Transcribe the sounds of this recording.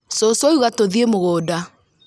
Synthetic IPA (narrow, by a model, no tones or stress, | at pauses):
sosɔuɣatoðiemoɣoːda